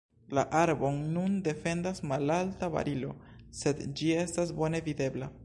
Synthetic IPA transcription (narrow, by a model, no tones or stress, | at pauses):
la̰ʔaɾbo̞nːunde̞fe̞ndasmalaltava̰ɾʔilo̞se̞dd͡ʒie̞stas̬bo̞ne̞vide̞bla